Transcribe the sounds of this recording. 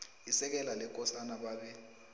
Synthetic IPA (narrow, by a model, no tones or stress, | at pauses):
isɛk̬ɛlalɛk̬ʼɔsanaɓaːɓɛ